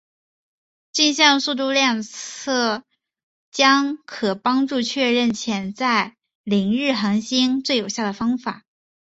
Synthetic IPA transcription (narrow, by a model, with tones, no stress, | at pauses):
t͡ɕi˥˧nɕjɑ˥˧ŋsu˥˧t̪̬u˥˧ljɑ˥˧ŋt͡sʰɤ˥˩ | t͡ɕjɑ˥ŋkʰɤ˨˩pɑ˥ŋʈ͡ʂu˥˧t͡ɕʰɥɛ˥˧ɻə˥˩nt͡ɕʰjɛ˧˥nt͡sa˥˩ɪ | li˧˥ŋɻɻ̩˥˩xɤ˧˥ŋɕi˥nt͡swe˥˩ɪjo˨˩ʊɕja˥˩d̪ə˩fɑ˥ŋfa˨˩˦